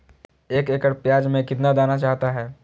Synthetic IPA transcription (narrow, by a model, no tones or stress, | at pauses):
eːkeːkəɾpjaːd͡ʒmẽkɪt̪nad̪aːnat͡ʃaːɦt̪aɦɛː